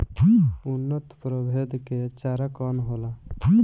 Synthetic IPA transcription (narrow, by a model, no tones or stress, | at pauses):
unːət̪pɾəbʱed̪ket͡ʃaɾakɔnɦola